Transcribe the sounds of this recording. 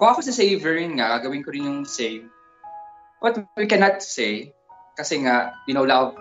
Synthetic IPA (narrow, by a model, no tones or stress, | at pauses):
kʊŋɐkosɐsejvɛɹɪnŋaɡaɡɐwɪnkoɾɪnjʊŋsejv | bɐt̪̚wwikɛnɐt̪̚sej | kɐsɛŋaʔjɪnowlav